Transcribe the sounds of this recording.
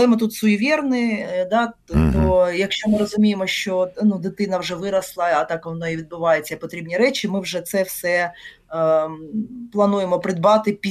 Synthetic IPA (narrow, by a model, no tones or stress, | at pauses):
ɐlˠɛmɪt̪ut̪sʊjiʋʲirnɪd̪ɑt̪ɔjɐkʃt͡ʃomɪɾɔzʊmʲijemɔʃt͡ʃɔnud̪ɪt̪ɪnɐwʐɛʋɪɾɐslˠɐɐt̪ɑkʋɔnɔiʋʲid̪̚bʊʋɑjet͡sʲːɐpɔt̪ɾʲibnʲiɾɛt͡ʃimɪwʒɛt̪sɛfsɛ | plˠɐnujemɔpɾɪd̪̚bɑt̪ɪpʲi